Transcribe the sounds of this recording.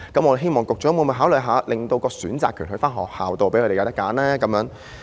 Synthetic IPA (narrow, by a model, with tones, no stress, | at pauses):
kɐ˨˥mɔ˧de˨˩ɦe˥jmɔː˨˩ŋkʊ˨k̚t͡ʃɔː˨˥mu˧nmɐ˨˧˩ɦaː˨˥wlɵ˨˩jɦaː˨˥lɪ˨ŋt̪o˧wkɔː˧syː˨˥nt͡sa̰ː˨kʰyː˨˩nhɵ˧faː˥nɦɔ̰ː˨˩k̚ha̰ː˨wt̪o˨wpe˨˦jʰkɵ˨˧e˨jt̪ɐ˥kːaː˨˥nlɛː˥kɐ˨˦mjœː˨˥ŋ